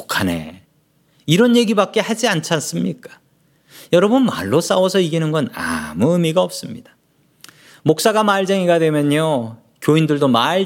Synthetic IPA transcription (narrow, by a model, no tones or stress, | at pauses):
kʰane̞̰ | iɾʌnje̞ɡibak̚k͈e̞had͡ʑiant͡ɕʰans͈ɯmɲik͈ḁ | jʌɾʌbɯnma̰ɭːos͈awʌsʰʌiɡinɯnɡʌna̰muɯmiɡaʌp̚s͈ɯmɲid̥ḁ | mok̚s͈aɡamaɭd͡ʑeŋiɡadwe̞mjʌɲo | kjoindɯɭdomaɭ